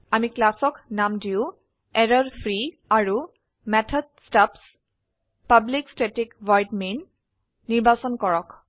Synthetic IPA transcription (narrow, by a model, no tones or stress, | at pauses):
amiklasɔknamdiʊ | ɛɹɔɹpʰɹi | aɹu | mɛtʰɔd̚staps | pablikstetikvɔjtminː | iɹbasɔnkɔɹɔk